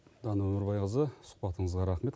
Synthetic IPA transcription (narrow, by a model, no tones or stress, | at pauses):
d̪ɑnəwɵmɪɾbɑjqəzəsʊ̥qbɑt̪əɴəzʁɑɾɑχme̞t̪